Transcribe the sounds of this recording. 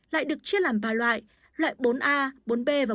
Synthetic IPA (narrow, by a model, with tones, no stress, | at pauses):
la̰ː˧˨jɗɨ˨˩ək̚t͡ɕi˦˥ət̚laː˨˩mvaː˨˩lwa̰ː˧˨j | lwa̰ː˧˨jɓo˨˦nʔaː˧ɓo˨˦nɓe˧vaː˨˩